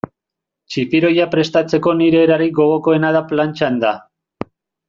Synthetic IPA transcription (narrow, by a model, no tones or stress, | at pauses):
t͡ʃipiɾo̞japɾe̞st̪at͡se̞ko̞niɾe̞ːɾaɾiɡo̞ɣo̞ko̞e̞naðaplant͡ʃand̪a